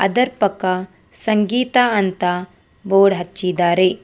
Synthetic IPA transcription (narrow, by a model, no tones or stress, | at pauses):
ɐ̰d̪ɐɾpɐka | sɐŋɡiːt̪aɐnt̪a | ʋoːɽɦɐt͡ʃt͡ʃːid̪aːɾe